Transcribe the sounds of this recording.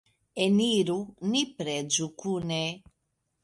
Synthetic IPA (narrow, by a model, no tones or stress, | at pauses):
eniɾunipɾed͡ʒukune